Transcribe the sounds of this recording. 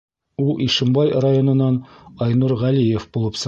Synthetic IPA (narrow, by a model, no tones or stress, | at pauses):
ulˠʔiʃɘ̆mbɑjrajonɤ̆nːɑnɒjnuɾʁælijefbulˠɤpsɤ